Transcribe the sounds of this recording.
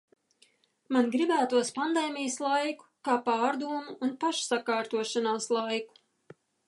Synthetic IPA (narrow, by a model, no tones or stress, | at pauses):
manɡɾibæːt̪uɔspand̪eːmʲijɐslˠajku̥kaːpɑːɾd̪uːmuːnpaʃsakaːɾt̪uɔʃanaːslˠajku̥